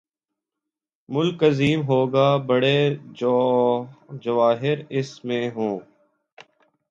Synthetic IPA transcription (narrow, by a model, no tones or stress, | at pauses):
mʊlkəziːmɦoːɡaːbəɽe | d͡ʒəʋaːɦɪɾɪsmẽɦõː